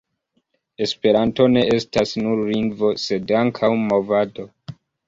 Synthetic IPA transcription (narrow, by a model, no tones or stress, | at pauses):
e̞spe̞ɾanto̞ne̞ʔe̞stasnuɾːinvo̞se̞daŋkʰawmo̞vado̞